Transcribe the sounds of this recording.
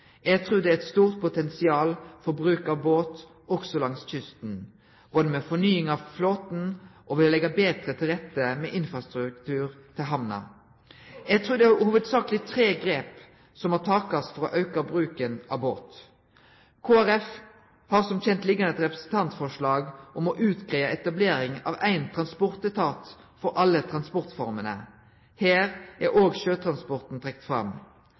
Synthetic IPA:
jæɡt̪ʰʁuːd̪ɛæɛt̪st̪uːʁt̪̚pʰʊt̪ʰɛnsɪɑːlfɔʁbʁʉːkɑboːt̪ | ɔksɔlɑŋsçʏst̪n | bɔːd̪ɛmɛfɔnyːɪŋɑʋfloːt̪n̩ʔɔʋɪllɛɡɑbeːt̪ʁət̪ʰɪlʁɛt̪ːəmɛːʔɪnfʁɑst̪ɾʉkt̪ʰʉːʁt̪ʰɪlɦɑmnɑ̰ | jɛɡt̪ʰʁʉːd̪ɛæʁhuːʋəd̪sɑːklɪt̪ʰɾeːɡɾeːp | sɔmhɑt̪ʰɑːkɑsfɔɾɔʔɑʉkɑbʁʉːkənɑboːt̪ | kʰoːæʁɛf | hɑʁsɔmc͡çɛnt̪lɪɡɑnɛt̪ʁɛpɾʁəsn̩t̪ʰɑnt̪fɔʂlɑːɡʔɔmɔʔʉːt̪ɡʁiːəʔɛt̪ɑbleːɾɪŋɑ̰ːʋæɪnt̪ʰʁɑnspɔʁt̪ət̪ʰɑːt̪ | fɔɾʔɑlːət̪ʰʁɑnspɔʁt̪fɔɾmənə̰ | hæːʁʔæɾʔoːɡʃøːt̪ʰɾɑnspɔʁt̪n̩t̪ʰʁɛk̚t̪fɾɑ̰m

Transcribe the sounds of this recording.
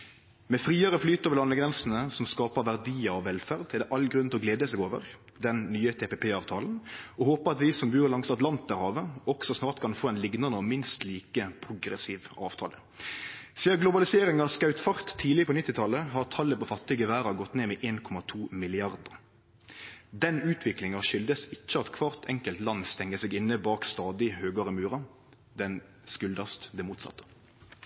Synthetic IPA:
mɛfɾiːɑɾəflyːt̪əoːʋəlɑnːəɡʁɛnsn̩əsɔmskɑːpəʋæʁd̪iːɑɔʋɛlfæʁd̪ʰɛd̪ɛʔɑlɡɾʉnt̪ɔɡleːd̪əsɛːɡoːʋə̰ʁ | d̪ɛnnyːət̪ʰeːpɛpʰeːɑːʋt̪ʰɑːln̩ɔhoːpəɑt̪ʋɪsɔmbʉːʁlɑŋsɑt̪lɑnt̪̚d̪æɾhɑːʋəɔɡsɔsnɑːʁt̪kʰɑnfoːɛɪnlɪɡnɑnəɔmɪnst̪liːkəpʰʁʊɡɾɛsiːʋɑ̰ːʋt̪ʰɑ̰ːlə | siːɑɡlʊbɑlɪseːɾɪŋɑskɑʉt̪fɑʁt̪ʰːiːlɪpʰɔnɪt̪ːɪt̪ʰɑləɦɑʁt̪ʰɑlːəpɔfɑt̪ːɪɡəʋæːɾɑɡɔt̪ːneːmɛːʔeːnkʰɔmɑt̪ʰuːmɪlɪɑʁd̪əɾ | d̪ɛnʉːt̪ʰʋɪklɪŋɑʃʏld̪əsɪt͡ʃːəɑt̪kʰʋɑːʁt̪ʰɛŋkəlt̪lɑnːst̪ɛŋːəsɛɡɪnːəbɑːkst̪ɑːd̪ɪhøːɡɑɾɪmʉːɾɑ | d̪ɛn | skʉld̪ɑst̪d̪ɛmuːt̪sɑ̰t̪ːə̥

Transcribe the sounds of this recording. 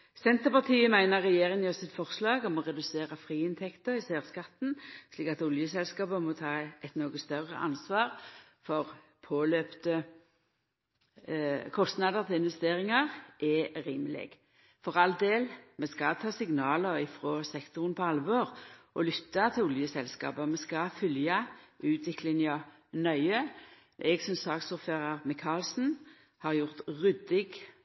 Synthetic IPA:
sɛnt̪əʁpɑʁt̪ʰiːəmæɪnəʁːɛjeːʁɪŋɔsɪt̪fɔʁslɑːɡɔmɔʁɛd̪ʉseːʁəfʁiːɪnt̪ʰɛkt̪əɾɪseːʁskɑt̪n̩sliːkɑt̪ʊljəsɛlskɑːpəmɔt̪ʰɑːɛt̪noːɡəst̪œʁə̰ʔɑ̰nsʋɑːʁ | fɔʁ | pʰoːløːpt̪ə | kʰɔst̪nɑd̪əʁt̪ʰɪlɪnʋɛst̪eːʁɪŋɑʁʔɛʁiːməlɪ̰ɡ̥ | fɔʁɑld̪eːlmɛskɑt̪ʰɑːsɪŋnɑːləʁɪfʁoːsɛkt̪ʊʁnpʰɔɑlʋoːʁʔɔlʏt̪ːɑt̪ʰɪlɔljəsɛlskɑ̰ːbəmɛskɑfʏljɑʔʉːt̪ʰʋɪklɪŋɑ | nœʏə | ʔɛɡsɔmsɑːksɔʁføʁɑʁmɪkʰɑːlsn̩ | hɑʁjʊʁt̪ʁʏd̪ɪɡ

